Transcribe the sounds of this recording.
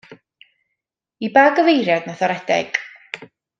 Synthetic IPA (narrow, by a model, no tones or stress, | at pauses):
ibaːɡəvejɾjadnaθɔɾɛd̥ɛ̰ɡ̥